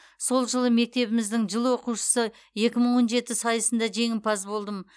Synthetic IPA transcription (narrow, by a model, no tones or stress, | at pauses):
so̞lˠʒəlˠəme̞k̚t̪e̞βɪmɪzd̪ɪŋʒəlˠwo̞quʃə̥sə | je̞kʲɪməɴwo̞nʒe̞t̪ɪsɑjəsənd̪ɑʒe̞ŋɪnpɑzbo̞lˠd̪əm